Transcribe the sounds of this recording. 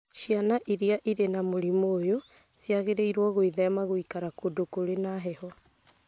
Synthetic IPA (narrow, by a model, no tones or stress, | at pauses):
ʃianaʔiɾiaʔiɾenamoɾimoːjo | sjaɣeɾeiɾwɔɣoiðɛmaɣoikaɾakodokoɾenaɦɛhɔ